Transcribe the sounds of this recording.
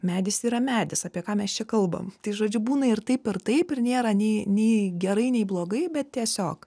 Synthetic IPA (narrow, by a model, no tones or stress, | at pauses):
mʲæːd̪ʲɪsiːɾɐmʲæːd̪ʲɪsɑːpʲiɛkɑːmʲɛst͡ʃʲɛkɐlˠbɐ̰mt̪ɐɪʒoːd͡ʒʲʊbuːnɐɪrt̪ɐɪpɪrt̪ɐɪpɪrnʲeːɾɐnʲɛɪnʲɛɪɡʲɛɾɐɪnʲɛɪblˠoːɡɐɪbʲɛt̪̚t̪ʲiɛsʲoːk